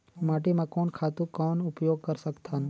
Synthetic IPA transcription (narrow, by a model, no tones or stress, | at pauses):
maːʈemãkoːnkʰaːt̪ũkɔːnʊpjoːɡ̚kəɾsəkt̪ʰan